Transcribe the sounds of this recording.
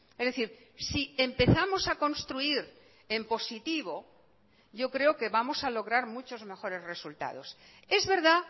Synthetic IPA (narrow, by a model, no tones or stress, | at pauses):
ezðe̞θiɾ | sie̞mpe̞θamo̞sakõ̞nst̪ɾuiɾ | e̞mpo̞sit̪iβ̞o̞ | ɟ͡ʝo̞kɾe̞oke̞βamo̞salo̞ɣ̞ɾaɾmut͡ʃo̞zme̞xo̞ɾe̞zre̞sult̪a̰ð̞o̞̰s | e̞zβe̞ɾða